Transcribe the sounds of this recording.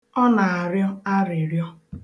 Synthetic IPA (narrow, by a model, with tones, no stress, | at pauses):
ɔ˦na˨a˨ɾjɔ˦a˦ɾɪ˨ɾjɔ˦